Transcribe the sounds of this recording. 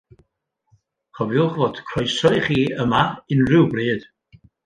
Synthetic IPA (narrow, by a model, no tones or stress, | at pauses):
χɔvjʊχvoːd̥kʰrɔjsɔɨχiːəmaɨnrɪwbriːd̥